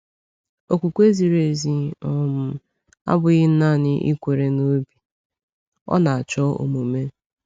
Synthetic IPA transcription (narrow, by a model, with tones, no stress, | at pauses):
o˨kʷu˨kʷe˦zi˨ɾe˨zi˨ɔ˦mʊ˨ | a̰˦bʊ˨ɣɪ˦n̩˦na˦˨nɪ˦ʔḭ˦kʷe˨ɾe˨no˦bi˨ | ɔ̰˦na˨a˨t͡ʃɔ˦o̰˨mo˨me˦